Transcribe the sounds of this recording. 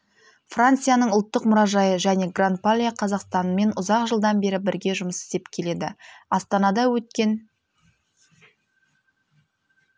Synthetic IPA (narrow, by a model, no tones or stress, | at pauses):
frant̪sɨjanəɴʊlˠt̪ːəqmʊɾɑʒɑjəʒæne̞ɡrant̪̚palʲijaqʰɑzɑqst̪ɑnme̞nʊzɑqʒəlˠd̪ɑnbe̞ɾɪbɪɾɡʲe̞ʒʊməsɪ̥st̪e̞pkʲʰe̞le̞d̪ɪɑst̪ɑnɑd̪ɑwɵt̪̚kʲe̞n